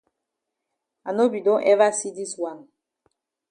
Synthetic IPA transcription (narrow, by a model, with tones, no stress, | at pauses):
a˨no˦bi˨dɔ̃˦ʔɛ˦va˦si˦di˦swa˨n